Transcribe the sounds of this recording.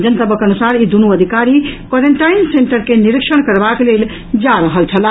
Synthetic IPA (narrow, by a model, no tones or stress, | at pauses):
d͡ʒənt̪əbəkənusaɾid̪unuəd̪ʱikaɾikwɔɾeɳʈainseɳʈəɾkeniɾikʃəɽkəɾbaklel | d͡ʒaɾəɦəlt͡ʃʰəla